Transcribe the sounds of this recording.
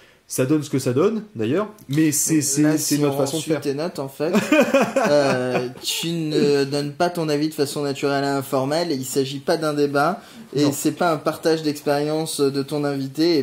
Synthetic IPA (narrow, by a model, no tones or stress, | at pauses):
sad̪ɔnsə̥kəsad̪ɔnd̪ajœːʁmɛsɛsɛlasɛnɔt̪fasɔ̃d̪əɛiʁt̪enɔt̪ɑ̃fɛt | øt̪ynəd̪ɔnpat̪ɔ̃navid̪əfasɔ̃nat̪yʁɛleɛ̃fɔʁmɛlilsaʒipad̪ɛ̃d̪eba | esɛpaɛ̃paʁt̪aʒd̪ɛkspeʁjɑ̃sd̪ət̪ɔ̃nɛ̃vit̪e